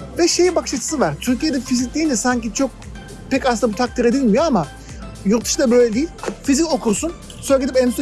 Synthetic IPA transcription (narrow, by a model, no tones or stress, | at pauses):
vɛʃe̞jbakʃat͡ʃʰɯ̥sɯvaɾt̪ʰyɾcijed̪ɛfizic̚d̪ʲiːnd͡ʒ̪ɛsaɲcit͡ʃʰok̚ | pɛcasɯnabut̪ʰak̚t̪ʰiɾe̞d̪ilʲmijo̞ama | juɾt̪ʰːɯ̥ʃɯd̪abø̞jlʲed̪iːlʲfizico̞kʰuɾsun | søed̪ipɛns